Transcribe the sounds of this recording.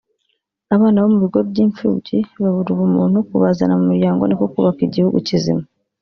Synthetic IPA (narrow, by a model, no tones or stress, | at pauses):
aβaːnaβomuβiɡo̞bɟiːɱfṵːciβaβuɾiβumuːn̥ukuβazanamumuɾjaːŋɡo̞̰nekokuβakiɟihuɡucizḭma